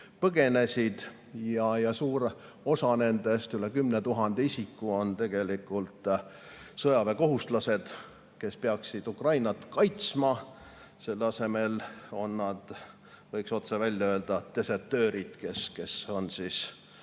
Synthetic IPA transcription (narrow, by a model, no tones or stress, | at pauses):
pɤɡ̥e̞ne̞sʲid̪̥ | jɑjɑsuːɾ | o̞sɑne̞nd̪e̞st̪yle̞kymnet̪uɦɑnd̪̥eisikːˑuo̞nt̪e̞ɡ̥e̞likːˑult̪ | sɤjɑve̞ko̞ɦust̪lɑse̞d̪̥ | ke̞speɑksid̪̥ukrɑjnɑt̪ˑkɑjt̪smɑ | se̞lːɑse̞me̞lo̞nːɑd̪̥ | vɤjkso̞t̪sevælʲjɑøːld̪̥ɑt̪e̞sert̪ø̞ːɾid̪̥ke̞ske̞so̞nsis